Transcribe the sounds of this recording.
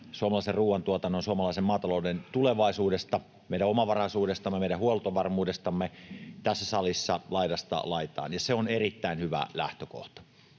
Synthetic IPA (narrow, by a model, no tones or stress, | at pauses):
suomɑlɑˑiserruːwʋɑnt̪uot̪ɑnːonsuomɑlɑˑisemmɑːt̪ɑloˑudent̪uleʋɑˑisuːdest̪ɑ | meˑiɾæomɑʋɑrɑsuːdest̪ɑmːemeiɾæuolt̪oʋɑrmuːdest̪ɑmːet̪æsːæsɑlisːɑlɑˑidɑst̪ɑ̰lɑˑit̪ɑ̰ːnjɑseonerit̪ːæˑinhyʋæ̰læ̰ht̪øko̰ht̪ɑ̥